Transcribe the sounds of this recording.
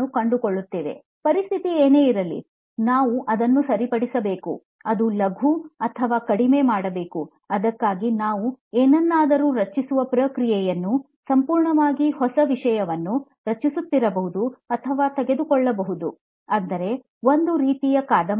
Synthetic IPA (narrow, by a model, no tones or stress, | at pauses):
ukɐɳɖukoɭːut̪ːiːʋe̞̰ | pɐɾist̪ʰit̪ieːne̞ːiɾɐlːḭ | naːʋuʔɐd̪ɐnːusɐɾipɐɽisɐbe̞ːkṵ | ɐd̪ulɐɡʱuɐt̪ʰɐʋaːkɐɽime̞ːmaːɽɐbe̞ːku | ɐd̪ɐkːaːɡinaːʋueːnɐnːaːd̪ɐɾuːɾɐt͡ʃːisuʋɐpɾɐːkɾijɛjɐnːu | sɐmpuːɾɳɐʋaːɡihɔsɐʋiʂɐjɐʋɐnːu | ɾɐt͡ʃːisut̪ːiɾɐbɐɦud̪uɐt̪ʰɐʋaːt̪ɛɡe̞d̪ukɔɭːɐbɐɦud̪ṵ | ɐnd̪ɐɾe̞ | o̞nd̪uɾiːt̪ijɐkaːd̪ɐ